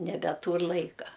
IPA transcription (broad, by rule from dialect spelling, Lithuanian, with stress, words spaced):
nʲɛbʲɛˈtuːr ˈlˠɐɪkɐ